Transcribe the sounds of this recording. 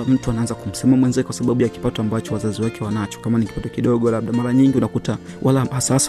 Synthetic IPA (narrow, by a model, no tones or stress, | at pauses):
m̩tuanaanzakum̩sɛmamwɛnzɛkwasaɓaɓujaki̥patɔambat͡ʃɔwazaziwakɛwanat͡ʃɔ̥kamaniki̥patɔkiɗɔɠɔlaɓ̚ɗamaɾaɲiŋɡiunakuta | wʔalaasas